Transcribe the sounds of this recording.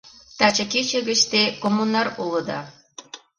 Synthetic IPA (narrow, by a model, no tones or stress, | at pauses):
t̪ɑt͡ɕəket͡ɕə̆ɣə̆ʃt̪ekomːunɑruləd̪ɑ̰